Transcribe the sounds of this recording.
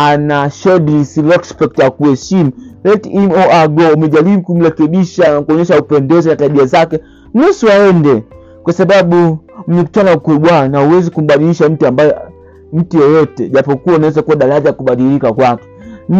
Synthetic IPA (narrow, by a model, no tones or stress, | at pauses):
anaʃɔɗiisilɔkspɛk̚tjakuhɛʃimulɛtɛmɔaɡɔumɛʄaɾiɓukum̩ɾɛkɛɓiʃakuɔɲɛʃaupɛndɛzinataɓiazakɛ | m̩nusuaɛndɛ | kwasaɓaɓum̩mɛku̥t͡ʃanaukwɛɓwanauwɛzikum̩ɓaɗiliʃam̩tiambajɛ | m̩tijɛjɔtɛʄapɔkuwaunawɛzakuwaɗaɾaʄakuɓaɗilikakwakɛ̥